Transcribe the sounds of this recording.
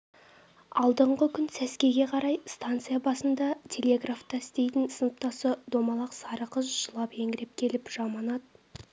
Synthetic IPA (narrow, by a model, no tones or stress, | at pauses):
ɑlˠd̪əɴʁəkʲʰʏnsæskʲe̞ɡʲe̞qʰɑɾɑjst̪ant̪sɨjabɑsənd̪ɑt̪ʲʰe̞lʲe̞ɡraft̪ɑɪst̪e̞jt̪ɪnsənəp̚t̪ɑsəd̪o̞mɑlˠɑqsɑɾəqəzʒəlˠɑpe̞ŋɡʲɪɾep̚kʲʰe̞lɪpʒ̥ɑmɑnɑd̪ə